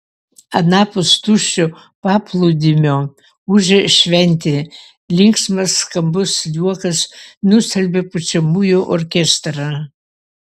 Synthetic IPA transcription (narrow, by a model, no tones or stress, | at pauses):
ɐnɑːpʊst̪uʃʲo | pɑːpʰlˠud̪ʲɪmʲoː | uʒʲɛʃʲʋʲɛnʲt̪ʲe | lʲɪŋksmɐsːkɐmbʊsjuɔkɐsnʊsʲɛlʲbʲepʊt͡ʃʲɛmujuʔɔɾʲkʲɛst̪ɾɑ